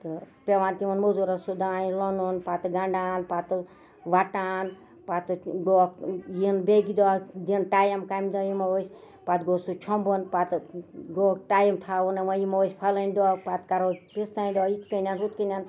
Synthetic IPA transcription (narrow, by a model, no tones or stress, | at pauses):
t̪ɨ | pʲeʋaːnt̪iʋɐnmozuɾɐsud̪aːjilɔnunpat̪ɨɡaɳɖaːnpat̪ɨ | ʋaʈaːn | pat̪ɨɡoːkjinbeɡid̪ɔːd̪inʈaːjɐmkaːjmd̪ɔjimɐwəsʲ | pat̪ɡoːsut͡ʃʰɔmbunpat̪ɨɡokʈaːjimt̪ʰaːunɐmɐjimɐʋəsʲpʰɐlɐnʲd̪ɔːpat̪kɐɾopist̪aːnd̪ɔit̪kənʲaːnɦut̪kənʲaːn